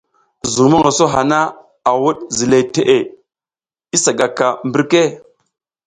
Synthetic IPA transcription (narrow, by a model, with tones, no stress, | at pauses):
zu˨ŋ˨mo˦ŋa˨so˦ɦa˨na˦ | a˨wu˦ɗzi˨le˨te˨ʔe˨ | i˦sa˨ɡa˨ka˨mbi˦ɾke˦